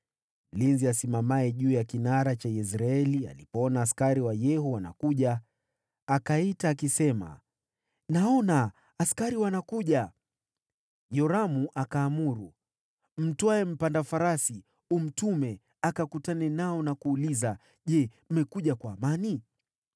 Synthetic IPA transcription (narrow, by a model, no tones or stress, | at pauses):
m̩linziasimamaɛʄuːjakinaɾat͡ʃajɛs̬ɾaɛlia̰lipɔɔnaːskaɾiwajɛɦɔwana̰kuʄaː | kaitaːkisɛma̰ | naɔnaː | skaɾiwanakuʄa | jɔɾamuʔakaːmuɾu | m̩twaɛm̩pandafaɾasi | um̩tumɛ | akakutanɛnaɔnakuːliza | ʄɛm̩mɛkuʄakwaːmani